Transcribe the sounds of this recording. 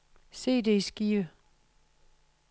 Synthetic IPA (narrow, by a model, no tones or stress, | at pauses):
se̝̰ːd̥e̝sɡ̥iːə